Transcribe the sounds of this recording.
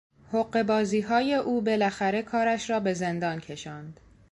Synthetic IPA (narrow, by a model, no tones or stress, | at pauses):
hoɢːe̞bɒːziːɦɒːje̞ʔuːbe̞læxæɾe̞kʰɒːɾæʃɾɒːbe̞ze̞nd̪ɒːncʰe̞ʃɒːnd̪̥